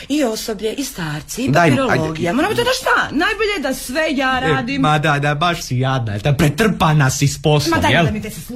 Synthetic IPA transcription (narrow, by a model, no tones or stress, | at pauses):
io̞sobʎeʔist̪aːɾt̪siid̪aiɾoloɡijamoɾambit̪od̪aʃt̪anajboʎed̪asʋejaːɾːd̪imad̪ad̪abaʃsijad̪̚najelt̪apɾet̪r̩panasisposmad̪jeldamit̪es